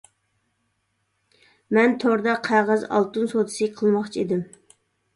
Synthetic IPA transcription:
mɛnt̪ʰoɾd̪ɑqʰæʁəzɑ̰lˠt̪unsot̪ʰɨ̥sɨqʰəlˠmɑχt͡ʃʰiid̪ɪm

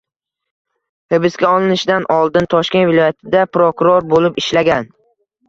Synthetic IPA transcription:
hɪbɪsɡʲaɒlˠɪnɪʃd̪anʔɒlˠd̪ɪnt̪ʰɒʃkʲe̞nvɪlˠɒjat̪ʰɪd̪apɾokʊɾoɾbolɪpɪʃlaɡʲan

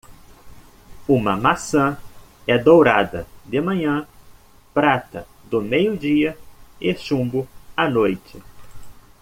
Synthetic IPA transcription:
ũmɐmasɐ̃ | ɛd̪owɾad̪ɐ̰d̪ɪmɐ̃ɲɐ̃ | pɾat̪ɐ | d̪ʊmejʊd͡ʒiɐɪʃũmbʊanojt͡ʃɪ

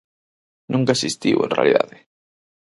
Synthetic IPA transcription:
nũŋkaesist̪iwḛ̃nrḛa̰liða̰ðe

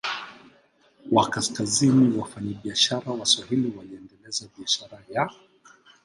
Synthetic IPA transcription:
wakaskaziniwafaɲaɓiaʃaɾawaswahiliwaliɛndɛlɛzaɓiaʃaɾaja

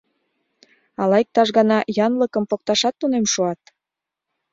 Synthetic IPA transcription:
ɑlɑjk̚t̪ɑʃɣɑnɑjɑnləkəmpok̚t̪ɑʃɑt̪ːunemʃuɑt̪

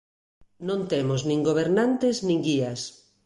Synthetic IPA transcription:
nõnt̪emoznĩŋɡoβ̞eɾnant̪eznĩŋɡias

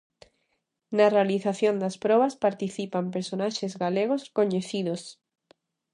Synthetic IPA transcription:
narealiθaθjond̪aspɾɔβaspaɾt̪iθipampeɾsonaʃezɣaleɣ̞oskoɲeθiðos

